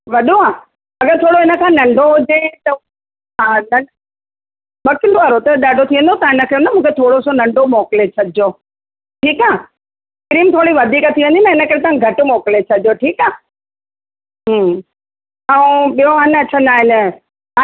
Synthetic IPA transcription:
ʋɐɗoaː | ɐɡəɾt̪ʰoːɽoɦɪnə̆kʰãːnɐ̃ɳɖʱoɦʊd͡ʑẽt̪ɐ | ɦãnɐ | ɓɐkɪɳɖoaɾot̪ɐɗaːɖʱot̪ʰiʋə̃nd̪ot̪ɐãɦɪnəkʰenɐmũːkʰet̪ʰoːɽosonɐ̃ɳɖʱomɔːkɪlet͡ɕʰɐɗɪo | ʈʰiːkaː | kɪɾiːmt̪ʰoːɽiʋɐd̪ʱiːkət̪ʰiʋə̃nd̪inɐɦɪnə̆kɐɾet̪ɐãɡʱɐʈʊmoːkɪlet͡ɕʰɐdjoʈʰiːkaː | ɦ | ɐũɓijoɦɐnɐt͡ɕʰə̃naːɦɪn | a

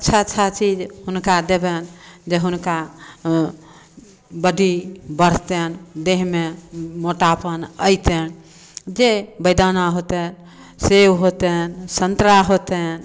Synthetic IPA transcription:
ətːt͡ʃʰaətːʃʰat͡ʃid͡ʒhunkad̪ebend͡ʒeɦunka | bəɖʱibəɾ̤t̪end̪eɦmemoʈapənəjt̪en | d͡ʒebəjd̪anaɦot̪ɛn | sewɦot̪ensənt̪ɾaɦot̪ɛn

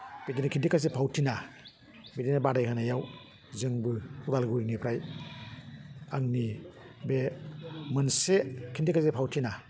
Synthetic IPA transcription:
b̥edinakʰindikʰas̬epʰawtʰina | bedinabadajkʰanajaw | zɯŋbɯudalɡuɾinipʰɾaj | aŋnibemɯnsekʰintikʰasepʰawtʰina

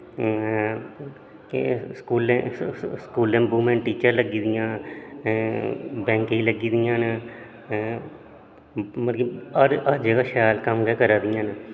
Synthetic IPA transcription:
skuːlẽskuːlẽːbuːmẽːnʈiːt͡ʃəɾləɡiːd̪ijãː | bɛ̃ːŋkiːləɡiːd̪ijãːnː | məlɡiəɾəɾd͡ʒəɡaːʃjaːlkəmɡɛːkəɾaːd̪ɪjãːnː

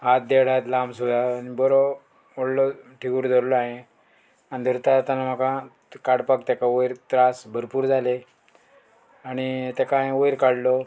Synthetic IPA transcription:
ɦat̪̚d̪eɽ̤at̪lambsud̪ʱanibɔɾo | oɽlɔʈʰiɡuɾd̪ʱəɾlɔaɦẽ | anid̪ʱəɾt̪at̪anam̤akã | kaɽpakt̪ɛkaojɾt̪ɾasbʱəɾpuːɾd͡zale | aɽ̃it̪ekajojɾkaɽlɔ

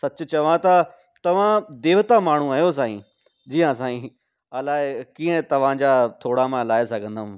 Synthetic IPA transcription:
sɐt͡ɕʊt͡ɕɐʋ̤ãt̪ɐ | t̪ɐʋ̤ãd̪eːʋət̪amaːɳ̤ũaːɦijos̬ãːḭ̃ː | d͡ʑiːjãs̬ãːĩ | ɐlaːɪkiːə̃t̪ɐʋ̤ãd͡ʑaːt̪ʰoːɽamãlaːesɐɡʱə̃nd̪əm̃

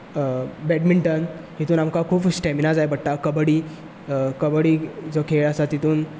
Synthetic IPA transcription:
bɛɖmiɳʈənɦit̪uːnamkakʰuːpsʈɛminad͡zajbəɽʈ̪akəbəɽiː | kəbəɽiːd͡zəkʰeɭəsat̪it̪uːn

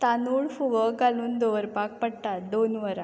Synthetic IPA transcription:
t̪anuːɭfuʋəɡaluːnd̪oʋəɾpak̚pəɽʈ̪ad̪onʋəɾã

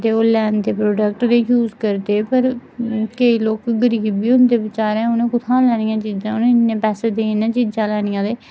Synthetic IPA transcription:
d̪eːoːlɛːnd̪eːpɾoːɖək̚ʈd̪eːjuːzkəɾd̪eːpəɾkəiːloːkɡəɾiːbiːʊnd̪eːbɪt͡ʃaːɾɛ̃ːʊnẽːkʊt̪ʰãːlɛːnɪjãːt͡ʃiːzãːʊnẽːnːẽːpɛːseːd̪eːnãːt͡ʃiːd͡ʒãːlɛːñɪjãːd̪eː

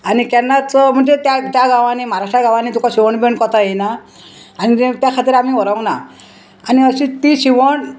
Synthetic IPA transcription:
anikɛnat͡sɔm̤ɔʈet̪jat̪jaɡawanimaɾaʈaɡawanit̪̬ukɔsiwɔɳbeɳkɔt̪aejnaː | nit̪jakʰat̪iɾamiɔɾaw̃naː | niʌsit̪isiwɔɳ

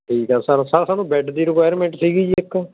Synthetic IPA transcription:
ʈʰiːkɦɛːsaːɾasaːɾaːsaːnũːbɛːɖd̪iːɾɪkwaːjəɾmɛ̃ːɳʈsiːɡiːd͡ʒiːɪkː

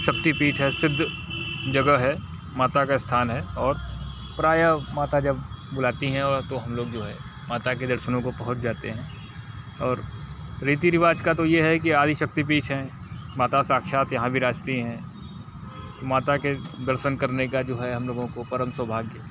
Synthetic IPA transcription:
ʃɐk̚t̪ipiːʈʰɦɛsɪd̪ʱːd͡ʒɐɡəɦɛ | maːt̪akaɪst̪ʰaːnɦɛɔːɾ | pɾaːjamaːt̪ad͡ʒɐbbʊlaːt̪iɦɛ̃ɔːt̪oɦɐmloːɡd͡ʒoːɦɛ | maːt̪ak̬ed̪ɐɾʃənõkopɐɦʊt͡ʃd͡ʒaːt̪ḛɦɛ̃ː | ɔːɾːiːt̪̬iɾɪʋaːd͡ʒkat̪ojeɦɛkiaːd̪ʱiʃɐk̚t̪ip̬iːʈɦɛ̃ | maːt̪asaːkʃaːt̪jɐɦãbʱiɾaːd͡ʒt̪iɦɛ̃ː | t̪omaːt̪aked̪ɐɾʃənkɐɾnekad͡ʒoːɦɛɦɐ̃mloːɡõkopɐɾəmswəbʱaːɡjə

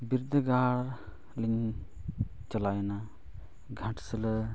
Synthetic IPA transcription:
biɾd̪ʱəɡaːɽ | liɲ | t͡ʃəlajna | ɡʱɐ̃ʈsələ

